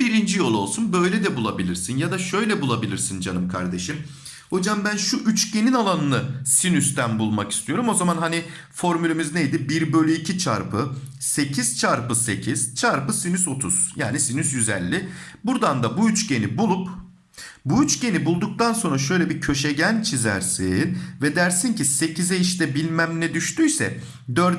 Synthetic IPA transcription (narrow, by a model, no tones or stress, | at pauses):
b̥iɾind͡ʒijo̞lˠo̞lˠsunbø̞jlʲɛd̪ɛbulˠabilʲiɾsinjad̪aʃø̞jlʲɛbulˠabilʲiɾsind͡ʒanɯmkʰa̰ɾd̪e̞ʃim | ho̞d͡ʒambænʃuʔyt͡ʃɟe̞ninalˠanɯnɯsinyst̪ʰænbulˠmaki̥st̪ʰijo̞ɾumo̞zamanɦani | fo̞ɾmylʲemiznejd̪ibiɾbø̞lʲyicʰit͡ʃʰa̰ɾpʰɯse̞cʰiz̥t͡ʃʰaɾpɯse̞cʰiz̥t͡ʃʰaɾpɯsinyso̞t̪ʰuz̥jaːnisinysjyzɛ̰lʲːibuɾd̪and̪abuyt͡ʃɟe̞nibulˠup | buyt͡ʃɟe̞nibulˠd̪uk̚t̪anso̞nɾaʃø̞jlʲɛbicʰø̞ʃeɟænt͡ʃʰizæ̰ɾsinvɛd̪æɾsincise̞cʰizɛiʃt̪ɛbilʲmæmnɛd̪yʃt̪yjsɛ̰ | d̪øɾd̪